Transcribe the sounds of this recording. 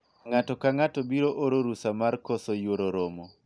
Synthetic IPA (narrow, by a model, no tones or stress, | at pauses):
ŋatɔkaŋatɔbiɾoʔoɾoɾusamarkɔsɔjwoɾoɾomo